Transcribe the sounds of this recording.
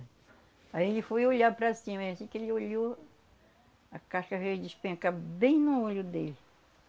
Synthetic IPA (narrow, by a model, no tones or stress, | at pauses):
aielɪfojoʎapɾɐsĩmɐeɐsĩkɪelɪoʎo | akaʃkɐɦed͡ʒɪʃpẽakabẽj̃nʊolʊd̪elɪ